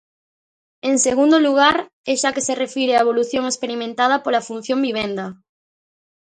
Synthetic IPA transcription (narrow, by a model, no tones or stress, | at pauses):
eŋseɣ̞ũnd̪oluɣ̞aɾ | eʃakeserefiɾeaeβo̞luθjoŋespeɾimẽnt̪að̞apolafun̟θjo̞mbiβ̞ẽnd̪a